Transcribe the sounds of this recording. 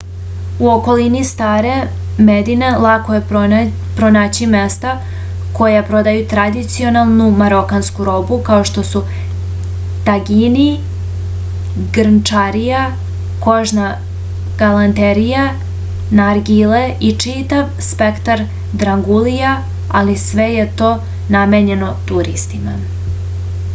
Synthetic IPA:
uo̞ko̞linist̪aːɾe̞ | med̪inelˠakoje | pɾo̞naːt͡ɕime̞st̪a | ko̞japɾo̞d̪ajut̪ɾad̪it̪sio̞nalˠnumaɾo̞kanskuɾo̞bukao̞ʃt̪o̞su | t̪aɡini | ɡɾnt͡ʂaɾija | ko̞ʒna | ɡ̥alant̪eɾija | naɾɡileit͡ʂit̪aʋspe̞kt̪aɾ | d̪ɾaŋɡulija | alisʋeje̞t̪o̞ː | nameɲe̞no̞t̪uɾist̪ima

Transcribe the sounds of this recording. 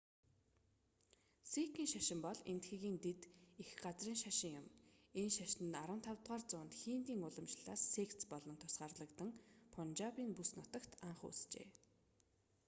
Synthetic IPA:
sekiːŋʃaʃɪ̆mpɔɮent̪xiːɣiːnt̪et̪ixɢat͡sriːŋʃaʃɪ̆ŋjʊmenʃaʃnɘ̆naɾə̆nt̪ʰawt̪ʁaːrt͡sʊːnt̪xiːnt̪iːŋʊɮə̆mt͡ɕɮ̥aːsːekt͡spɔɮɞ̆nt̪ʰʊ̥sɢaːrɮə̆kt̪ə̆ŋpʰʊnt͡ɕaːpiːnpusnʊt̪ə̆kt̪aɴχṵst͡ɕḛː

